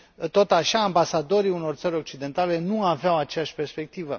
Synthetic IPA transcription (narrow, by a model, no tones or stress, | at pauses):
t̪o̞t̪aʃaːmbasad̪o̞ɾiuno̞rt̪səɾʲo̞k̚t͡ʃid̪e̞nt̪ale̞nuaveawat͡ʃejaʃʲpe̞rspe̞k̚t̪ivə